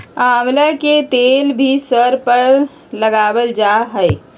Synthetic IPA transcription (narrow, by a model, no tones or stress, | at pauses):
aːmlaket̪eːlbʱisəɾpəɾ | ləɡaːwəld͡ʒaːɦəe